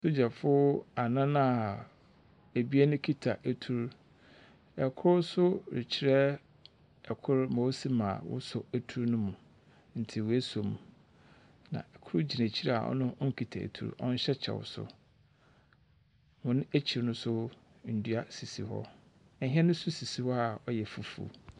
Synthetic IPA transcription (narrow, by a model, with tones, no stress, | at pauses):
so˦d͡ʑa˨fʊ˦a˨nã˦nã˦a˨ | æ˨bi˦ɛ˦nʊ̃˦kʰi˦tʰa˨ʔæ˨tʰu˨ɾ | ɛ˨kʰʊ˦ɾsʊ˦ɾɪ̰˨t͡ɕʰi˨ɾɛ˦ | ɛ˨kʰʊ˦ɾmɔ˨˦si˦mã˨wʊ̰˦sɔ˨æ˨tʰu˦ɾnʊ̃˦mũ˨ | n̩˨tʰɪ˨wæ˦so˨m˨ | nã̰˨ɛ˨kʰʊ˦ɾʊ˦d͡ʑi˨næ̃˨t͡ɕʰi˦ɾɛ˨a̰˨ʔɔ̰˦nʊ̃˦ɔ˦ŋ̩˦kʰi˨tʰa̰˨ḛ˨tʰṵ˨ɾṵ˦ʔɔ̰̃˦n̩˦ɕɛ˦t͡ɕʰɛ̰˨wʊ̰˨sʊ̰˨ | mʊ̃˨nʊ̃˦æ˦t͡ɕʰi˨ɾnʊ̃˦sʊ˦ | n̩˨dɥa˦si˨sḭ˦hɔ̰˦˨ | ɦɛ˦nʊ̃˦sʊ˦si˨si˦hɔ˦a˨ɔ˨jɛ˨fu˨fṵ˨